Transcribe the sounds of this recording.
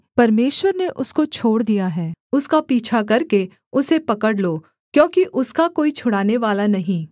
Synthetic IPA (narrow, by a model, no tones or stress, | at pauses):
pɐɾmeːʃwəɾneʔʊskot͡ʃʰoːɽd̪ijaɦɛːʊskapiːt͡ʃʰakɐɾke | ʊsepɐkəɽloː | kjõːkiʔʊskakoːit͡ʃʰʊɽaːneʋaːlanɐɦĩː